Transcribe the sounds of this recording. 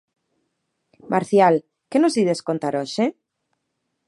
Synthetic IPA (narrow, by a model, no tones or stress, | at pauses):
mʔaɾθjal | kenozðiðesko̞nt̪aɾoʃe